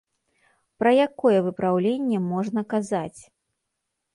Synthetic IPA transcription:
pɾɐjakɔjɛvɨpɾawlʲenʲːɛmɔʐnɐkazat͡sʲ

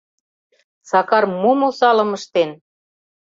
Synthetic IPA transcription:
sɑkɑrmumosɑlə̆məʃt̪en

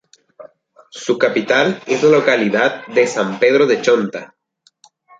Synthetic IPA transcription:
sukapit̪alezlalo̞kaliðað̚ːe̞sampe̞ð̞ɾo̞ðe̞t͡ʃo̞nt̪a

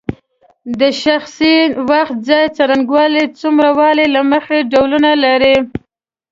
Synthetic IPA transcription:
d̪əʃaxsiwaxt̪̚d͡zɑjt͡saɾanɡwɑlit͡sumɾawɑlelaməxeɖawlunalaɾi

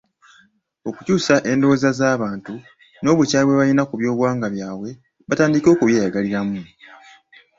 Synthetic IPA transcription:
o̞kucuːsaʔe̞ndo̞zazaːβaːntu | no̞ːβucaːiβwe̞βainakuβjo̞ːβwaːŋɡaβjaːwe̞ | βataːndiko̞ːkuβjeːjaɡaliɾamu

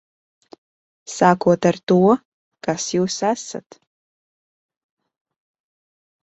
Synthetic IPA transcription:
saːkʷʰɔtɐrtuwɔ | kaːsjiwsaːsɐ̰tʰ

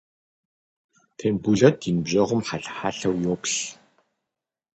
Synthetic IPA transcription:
tʰeːnbuɮɐt̪inbʑɐʁʊmħaɬħaːɬɐwjoːkɬ

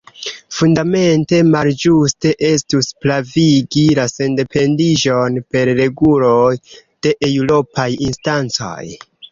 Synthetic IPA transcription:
fundame̞nte̞mald͡ʒuste̞ʔe̞stusplaviɡilase̞nde̞pʰe̞ndid͡ʒo̞npe̞ɾːe̞ɡulojd̥e̞ʔewlo̞pʰajinstant͡so̞̰j

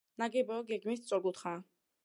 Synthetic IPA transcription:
naɡɛbɔɡɛɡmissʼɔɡut̪χa

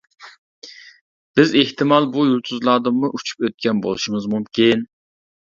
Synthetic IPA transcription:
b̥ɪzeht̪ɨmɑlˠbujulˠt̪ʰuzlˠɑːd̪ɨmmuʔut͡ʃʰu̥pøt̪̚kʲɛnbo̰lˠuʃiŋɨzmumkʲin

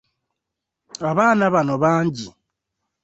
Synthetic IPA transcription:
aβaːnaβanoβaːɲɟi

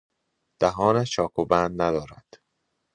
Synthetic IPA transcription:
d̪̥æɦɒːnæt͡ʃɒːkʰobænd̪næd̪ɒːɾæ̰d̪̥

